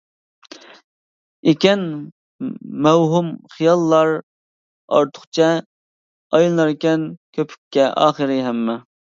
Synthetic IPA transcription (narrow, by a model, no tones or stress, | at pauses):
ekʲɛn | mɛwɦumχijɑlˠːɑɾ | ɑ̰ɾt̪ʰʊ̥χt͡ʃʰɛ | ɑjlnɑɾkʲɛnkʲʰøpʰy̥kʲʰːɛʔɑ̰ːχəɾɨɦɛmːɛ